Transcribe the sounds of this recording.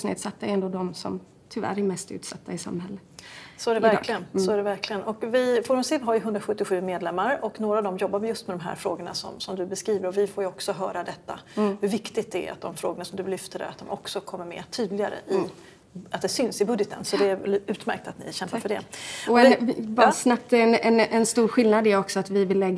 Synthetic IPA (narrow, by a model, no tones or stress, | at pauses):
snḛːd̪sat̪ːaɛɾɛnd̪oːd̪ɔmsɔ̰m | t̪ʰʏvæ̰ɾæɾmɛst̪ʉ̟ːt̪sa̰t̪ːaɪsa̰mːhɛlːəsɔæɖɛvæɾklɪɡənsɔæɖɛvæɾkʰlɪɡənɔkvɪfɔɾmsɪvɦaɾjɵɦɵnd̪ɾaɧɵt̪ːɪɧʉ̟ːmeːd̪lɛmːaɾɔknoːɾaːvd̪ɔmjɔbːaɾmjɵst̪mɛd̪ɔmɦæ̰ːɾfɾo̰ːɡəɳa̰sɔ̰msɔmd̪ɵbɛskɾiːvəɾɔvɪfoːɾjɵɔksɔɦœːɾad̪ɛt̪ːa̰hɵɾvɪkt̪ɪɡt̪̚ɛæ̰ɾa̰t̪̚d̪ɔmfɾo̰ːɡəɳasɔmd̪ɵlʏft̪əɾa̰ɾa̰t̪̚d̪ɔmʔɔ̰ksɔkʰɔmːəɾmɛ̰ːt̪ʰyːd̪lɪɡaɾə̰ʔɪ | at̪̚d̪ɛsʏnsɪbɵd̪jət̪ʰə̰nsɔd̪ɛæʉ̟ːt̪mæ̰ɾk̚t̪at̪nɪ̰ʃɕɛmpːafœɖɛ̰ɔɛbɑsnap̚t̪ɛnɛnɛnst̪uːɾɧɪlnad̪ɛɾɔksɔat̪vɪvɪlːɛɡː